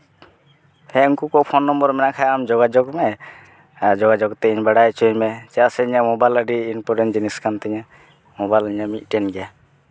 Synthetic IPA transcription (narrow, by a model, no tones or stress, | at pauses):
hɛuŋkukɔpʰɔnːɔmbɔɾmɛnakʰajamd͡ʒɔɡad͡ʒɔkmɛ | d͡ʒɔɡad͡ʒɔkt̪ɛiɲbaɽajt͡ʃuɲmɛt͡ʃɛasɛiɲamɔbajləɖiːnpɔɾɛnd͡ʒiniskʰant̪ɛɲa | mɔbajləɲamit̪̚ˀʈɛnɡɛja